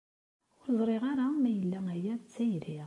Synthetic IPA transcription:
ʊɾzˤɾˤeʁaɾamæjəlːææjæt͡sːæjɾiʁ

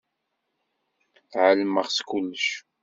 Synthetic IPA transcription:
θʕəlməʁskʊlːəʃ

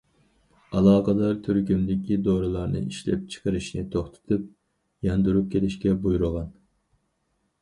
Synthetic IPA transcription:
ɑlˠɑːqɑd̪ɑɾt̪ʰyɾkʲymd̪ɪkʲid̪oɾulˠɑɾnɨ̰iʃlɛ̰p̚t͡ʃʰə̥qʰəɾɨʃnɪt̪ʰoχt̪ʰɨ̥t̪ʰɨp̚ | jɑnd̪uɾup̚kʲʰelɪʃkʲɛbujuɾʊʁɑn

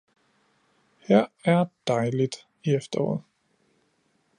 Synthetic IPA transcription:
hæɐ̰æɐd̥ɑ̈ɪlid̥ | iefd̥ɐɒ̰ːð̩ˠ

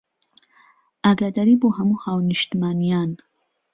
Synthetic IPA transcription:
aɡad̪aɾiboɦamuxawnɪʃt̪manijɑn

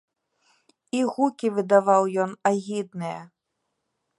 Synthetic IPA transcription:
iɣukʲivɨd̪aʋawjɔnaɣʲid̪nɨjɐ

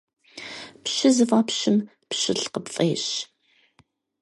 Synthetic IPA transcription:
pɕɪzɨfaːpɕɪm | pɕɪɬqəpfʼeːɕ

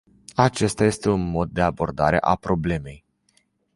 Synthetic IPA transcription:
at͡ʃe̞st̪aje̞st̪e̞unmo̞d̪̚ːe̞abo̞rd̪aɾe̞̰ʔapɾo̞ble̞me̞j

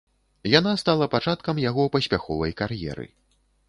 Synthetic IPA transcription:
janast̪alˠɐpat͡ʂat̪kɐmjaɣɔpɐsʲpʲaxɔvɐjkaɾjɛ̰ɾɨ̰

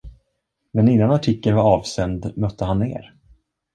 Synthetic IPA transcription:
mɛnɪnːanaʈʰɪkːənvaɑːvsɛnd̪mœt̪ʰːəɦanːḛːɾ

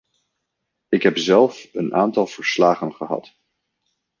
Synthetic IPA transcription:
ɪkɦɛpzɛlˠfənʔaːntɑlˠv̥əɹslaːχənχəɦɑ̰t

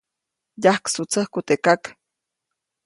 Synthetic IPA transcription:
jahksut͡sʰəhkut̪ekak

